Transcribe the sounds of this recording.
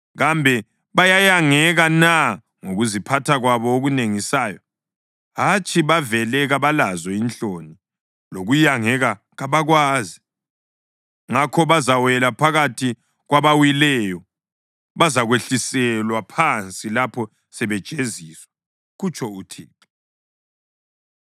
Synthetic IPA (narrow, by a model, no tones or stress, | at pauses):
ɣambʱɛ | βajajaŋɛɣana | ŋoɣuzipʰatʰaɣwaβɔoɣuneŋisaːjɔ | ɦat͡ʃʼiβavɛlɛɣaβalazɔint͡ɬʼoni | loɣujaŋɛɣa | ɣaβaɣwaːzi | ŋakʰɔβazawɛlapʰaɣatʰi | ɣwaβawilɛjɔ | βazaɣweɬisɛlwapʰant͡sʼilapʰɔ | sɛβɛd̥ʒ̥ʼʱeziːswa | ɣut͡ʃʼʰɔutʰeːǃi